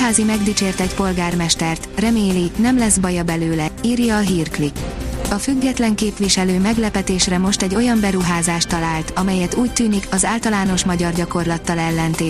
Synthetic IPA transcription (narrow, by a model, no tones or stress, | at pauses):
ɦaːzimɛɡd̪it͡ʃeːrt̪ɛcpo̞lɡaːrmɛʃt̪ɛrt̪rɛmeːlinɛmlɛzbɒjɒbɛløːlɛiːrjɒːɦiːrklikɒfyɡːɛt̪lɛŋkeːpʋiʃɛløːmɛɡlɛpɛt̪eːʃrɛmo̞ʃt̪ɛɟo̞jɒmbɛɾuɦaːzaːʃt̪ɒlaːlt̪ɒmɛjɛt̪uːc̚t̪yːnikɒzaːlt̪ɒlaːn̪o̞ʃmɒɟɒrɟɒko̞rlɒt̪ːɒlɛlːɛnt̪eː